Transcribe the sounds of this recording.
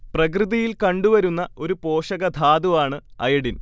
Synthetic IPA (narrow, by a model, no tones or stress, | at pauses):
prɐk̬rɨðijilkɐɳɖuʋɐɾunːɐo̞ɾupo̞ːʂɐɣɐd̪ʱaːd̪uʋaːɳɨɐ̰jɐɽin